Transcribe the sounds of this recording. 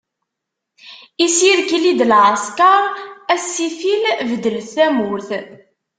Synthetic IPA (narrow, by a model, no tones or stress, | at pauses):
isiɾkilid̪lʕəskaɾˤæsːifilvəd̪əlθæmʊɾθ